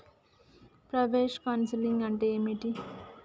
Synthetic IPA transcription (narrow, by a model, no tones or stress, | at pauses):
pɾɐʋeːʃkaːnsiliŋɡɐɳʈeːmiʈi